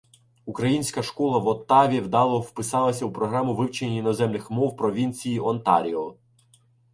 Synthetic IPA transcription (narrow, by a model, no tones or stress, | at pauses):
ukɾɐjinʲsʲkɐʃkɔlˠɐʋɔt̪ɑʋʲiwd̪ɑlˠɔwpɪsɑlˠɐsʲɐupɾɔɦɾɑmʊʋɪwt͡ʃenʲinɔzɛmnɪxmɔwpɾɔʋʲinʲt͡sʲijiʔɔnt̪ɑ̰ɾʲiɔ